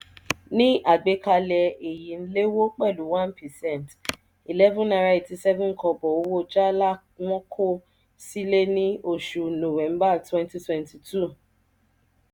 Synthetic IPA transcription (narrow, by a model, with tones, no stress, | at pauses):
nĩ˦ʔa˦˨ɡ͡be˨˦ka˧lɛ˧e˨ji˨n̩˦le˦wo˦k͡pɛ˦˨lu˨˦wã˦npʰɛ˨sɛ̃˦˨n˨t | i˨lɛ˦vũ˦na˧ɾa˧˦i˨ti˧sɛ˦vũ˦n̩˨˦kɔ˧bɔ˨o˧˦wo˦d͡ʒa˦la˦˨ | w̃ɔ̃˦kʰo˦˨ | si˦le˦nĩ˦o˦˨ʃu˨nõ˨wɛ̃˨˦m˦ba˦˨twɛ̃˦nti˦twɛ̃˨nti˨tʰu˦˨